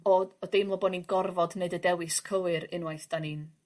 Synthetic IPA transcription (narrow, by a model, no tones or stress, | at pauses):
ɔɔdemlˠɔbɔninɡɔrvɔdneɨdədɛwɨskʰəwɨɾɪnwajθd̥aniːn